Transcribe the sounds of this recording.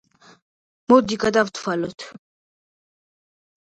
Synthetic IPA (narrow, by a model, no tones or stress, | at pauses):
mɔd̪ikʼad̪avt̪ʰwalɔt̪ʰ